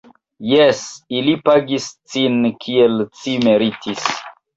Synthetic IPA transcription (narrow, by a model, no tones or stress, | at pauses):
jesilipaɡist͡sinkʰielt͡simeɾitʰis